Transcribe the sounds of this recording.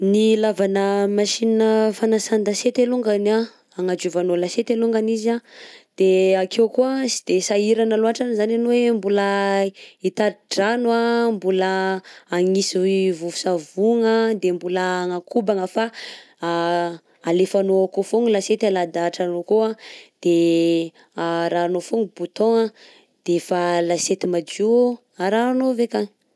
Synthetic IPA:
nilavanəmaʃininəfanasand̪aset̪eluŋɡanaː | ŋad͡ʒuvanolaset̪eluŋɡanizad̪̥eakewkuasi̥d̪̥esaiɾanaloaʈ͡ʂanizananowembulə | it̪aɾiʈ͡ʂanwambuləː | ŋisivuvu̥savuŋəd̪embuləŋakubaŋəfa | alefanoakofuŋilaset̪alad̪aʈ͡ʂanokoad̪̥e | ɾaːnofuŋib̥ut̪õŋa | d̪̥efalaset̪imad͡ʒu | aɾaːnovekaŋ

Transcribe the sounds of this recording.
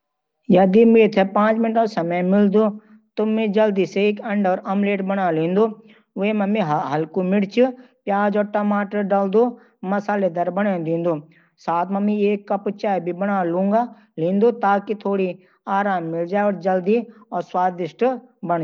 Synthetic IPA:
jɐd̪imɪɽt̪ʰɛpãːt͡ʃmɪnʈõsɐməjmɪld̪oː | t̪ʊmẽd͡ʒɐld̪iseeːkɐɳɖɔːɾɐmleːʈbɐɽaːlĩːnd̪oː | ʊemɐmẽɦɦɐlkumɪɽt͡ʃʰʊpjaːd͡ʒɔːʈɐmaːʈəɾɖɐld̪oː | mɐsaːled̪ɐɾbɐɽãnd̪ĩːnd̪oː | saːt̪ʰmɐmĩeːkːɐpt͡ʃaːibʱibɐɽaːlũːŋɡa | lĩːnd̪ot̪aːkit̪ʰoːɽi | aːɾaːmːɪld͡ʒaːeɔːɾd͡ʒɐld̪iɔːɾswaːd̪ɪʃʈbɐɳ

